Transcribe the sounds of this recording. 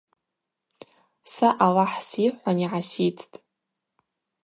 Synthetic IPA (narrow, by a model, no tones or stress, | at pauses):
saʔawaħsiħʷaniʕasit͡sʰtʼ